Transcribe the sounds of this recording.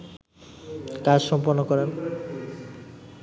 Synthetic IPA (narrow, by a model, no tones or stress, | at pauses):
kad͡ʑʃɔmpoɾnːokɔɾen